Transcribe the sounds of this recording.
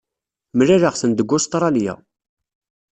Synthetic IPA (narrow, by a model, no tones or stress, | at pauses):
mɾiɾəʁsənd̪əɡːʊst̪ˤɾˤɑljæ̰